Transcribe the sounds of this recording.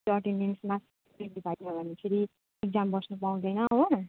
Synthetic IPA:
sʌʈininsmas | pɾitibʱajnʌbʱʌnːekʰeɾi | ek̚d͡zambʌsnupaw̃d̪ʌjnʌɦo

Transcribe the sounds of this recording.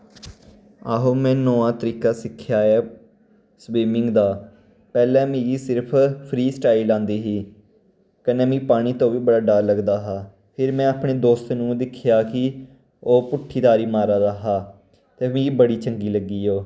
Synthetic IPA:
aːɦoːmɛ̃ːnoːãːt̪əɾiːkaːsɪkʰːjaːeː | swiːmɪŋɡd̪aː | pɛːlɛ̃ːmĩːɡiːsɪɾpʰpʰɾiːsʈaːɪlãːnd̪iːɦiː | kənɛ̃ːmĩːpaːɽ̃iːt̪õːʋiːbəɽaːɖaːɾləɡd̪aːɦaː | pʰɪɾmɛ̃ːaːpɽ̃eːd̪oːst̪nũːd̪ɪkʰːjaːkɪ | oːpʊʈʰːiːd̪aːɾiːmaːɾaːd̪aɦaː | t̪eːmĩːibəɽiːt͡ʃəŋɡiːləɡiːoː

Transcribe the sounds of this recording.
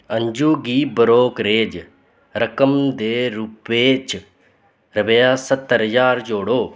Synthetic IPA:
ɐɲd͡ʒuːɡiːbɐɾoːkɾeːd͡ʒ | ɾɐkəmd̪eːɾupːeːt͡ʃ | ɾɐbejaːsɐt̪ːəɾd͡ʒaːɾd͡ʒoːɽoː

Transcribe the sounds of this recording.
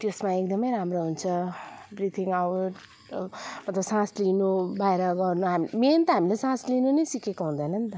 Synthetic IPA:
t̪josmaekd̪ʌmʌjɾamroɦunt͡sʰʌbrit̪ʰiŋawʈ | mʌt̪lʌbsãslinubaeɾʌɡʌrnuɦamiment̪ʌɦamilesãslinunʌjsikekoɦũd̪ʌnʌnt̪ʌ

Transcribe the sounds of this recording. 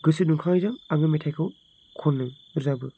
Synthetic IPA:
ɡɯsɯnuŋkʰaŋjzaŋaŋɯmetʰajkʰɯw | kʰɔnːɯ | ɾzabɯ

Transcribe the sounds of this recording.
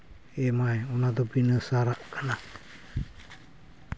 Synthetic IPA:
emajunat̪opinəsaɾaʔkana

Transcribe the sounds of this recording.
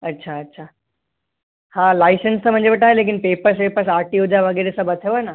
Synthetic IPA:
ɐtːɕʰaːtːɕʰa | hãlajsənst̪əm̤əɳd͡ʑebəʈaɦelek̬inpepəɾs̬pepəɾs̬aɾʈiud͡ʑaʋəɡeɾesəbʱət̪ʰeʋana

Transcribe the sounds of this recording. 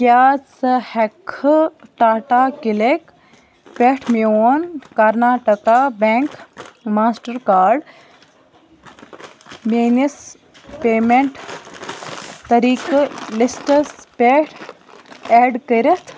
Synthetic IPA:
kjaːt͡shekʰːʈaːʈaːkilek | peʈʰmioːnkɐɾnaːʈɐkabeŋkmaːsʈɐɾkaːɾɖ | meːnis | peːmeɳʈ | t̪ɐɾiːklisʈɐspeʈʰ | eːɖkəɾit̪ʰ

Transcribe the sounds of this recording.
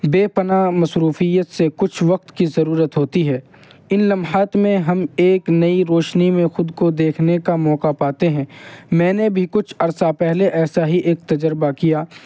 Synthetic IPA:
beːpɐnamɐsɾuːfijət̪sekʊt͡ʃʰʋɐq̚t̪kizɐɾuːɾət̪ɦoːt̪iɦɛː | ɪnlɐmɦaːt̪mẽɦɐmeːknɐiɾoːʃnimẽxʊd̪kod̪eːkʰnekamɔːqapaːt̪eɦɛ̃ːmɛ̃ːnebʱikʊt͡ʃʰɐɾsapɛɦleʔɛːsaɦiʔeːk̚t̪ɐd͡ʒəɾbakijaː

